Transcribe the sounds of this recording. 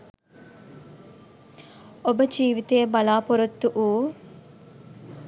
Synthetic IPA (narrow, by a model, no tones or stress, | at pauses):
obəd͡ʒiːʋit̪eːbɐlaːpoɾot̪ːuʔuː